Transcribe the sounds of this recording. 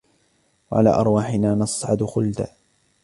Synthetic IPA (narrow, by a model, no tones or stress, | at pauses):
waʕa̰la̰ːʔɑ̰ɾˤwaːħɪnaːnɑsˤʕɑd̪ʊxʊld̪a̰ː